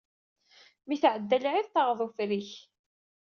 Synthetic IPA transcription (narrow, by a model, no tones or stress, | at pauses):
miθʕəd̪ːælʕiðt̪ˤːɑʁðˤufɾiç